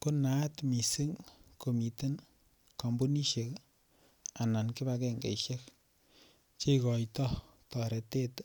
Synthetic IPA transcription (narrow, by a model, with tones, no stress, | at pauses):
ku˦na˦tmi˨si˦ŋko˨mi˨te˦n | ka˨mbu˦ni˦ʃe˨k | a˨na˨nkɪ˦ba˧kɛ˦ŋɡḛ˨iʃe˦k | t͡ʃe˦kɔ˨jtɔ˦ | tɔ˨ɾe˨te˦t